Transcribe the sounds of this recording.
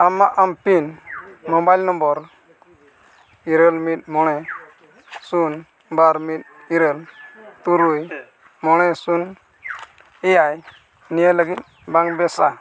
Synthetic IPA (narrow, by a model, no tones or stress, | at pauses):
amaʔampinmɔbajlnɔmbɔɾ | iɾəlmit̪̚mɔɽ̃ɛ | sun | baɾmit̪̚ | iɾəlt̪uɾuj | mɔɽ̃ɛsun | ɛjaj | nijaləɡit̪̚ | baŋbɛsa